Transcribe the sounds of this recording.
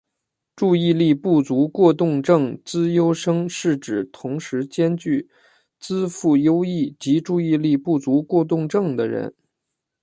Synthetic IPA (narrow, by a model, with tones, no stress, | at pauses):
ʈ͡ʂu˥˧i˥˧li˥˧pu˥˩t͡su˧˥kwɔ˥˧t̪ʊ˥˧ŋʈ͡ʂɤ˥˩ŋt͡sɹ̩˥jo˥ʊʂɤ˥ŋʂɻ̩˥˩ʈ͡ʂɻ̩˨˩t̪ʰʊ˧˥ŋʂɻ̩˧˥t͡ɕjɛ˥nt͡ɕy˥˩ | t͡sɹ̩˥fu˥˩jo˥ʊi˥˩t͡ɕi˧˥ʈ͡ʂu˥˧i˥˧li˥˧pu˥˩t͡su˧˥kwɔ˥˧t̪̬ʊ˥˧ŋʈ͡ʂɤ˥˩ŋd̪ə˩ɻə̰˧˥n